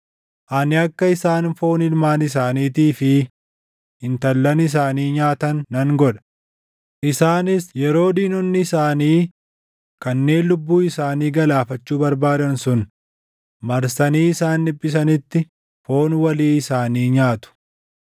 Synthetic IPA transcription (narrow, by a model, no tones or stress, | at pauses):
ʔɐnɪɐkːɐɪsaːnfo̞ːnɪlmaːnɪs̬aːniːt̪iːfɪ | ɪnt̪ɐlːɐnɪs̬aːniːɲaːt̪ɐnːɐŋɡɔᶑɐ̥ | ʔɪsaːnɪsjɛɾo̞ːd̪iːnɔnːɪɪsaːniː | kɐnːe̞ːnlʊbːuːɪsaːniːɡɐlaːfɐt͡ʃːuːbɐɾbaːd̪ɐnsʊn | mɐɾsɐniːɪsaːnːɪbːɪs̬ɐnɪt̪ːɪ | fo̞ːnwɐliːɪsaːniːɲaːt̪ʊ̥